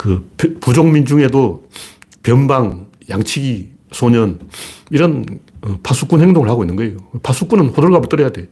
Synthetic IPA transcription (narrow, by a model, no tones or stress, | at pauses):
kɯppud͡ʑoŋmind͡ʑuŋe̞do | pjʌnbaŋ | jaŋt͡ɕʰiɡi | sʰoɲʌniɾʌnɯpʰasʰuk͈unhe̞ŋdoŋɯɭhaɡoinːɯnɡʌejopʰasʰuk͈unɯnɸodoɭɡabuɭt͈ʌɾʌjade